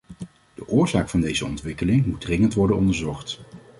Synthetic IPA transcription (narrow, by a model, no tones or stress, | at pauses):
d̥əʔʊːɹzaːkfɑndejzəɔ̰ntʋɪkəlɪŋmud̚drɪŋəntʋɔɹdənɔndəɹzɔχt